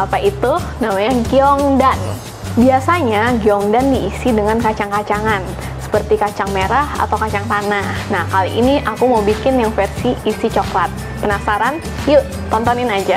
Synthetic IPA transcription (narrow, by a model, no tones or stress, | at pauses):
ʔapaʔit̪unamaɲaɡiɔŋdan | biasaɲaɡiɔŋdandiːsidəŋankat͡ʃaŋkat͡ʃaŋan | sə̥pərt̪ikat͡ʃaŋmeɾaha̰t̪awkat͡ʃaŋt̪anahnahkaliʔiniʔakuməbikɪnjaŋfərsiːsit͡ʃɔklat̪̚ | pənasaɾan | juʔ | t̪ɔnt̪ɔnɪnad͡ʒa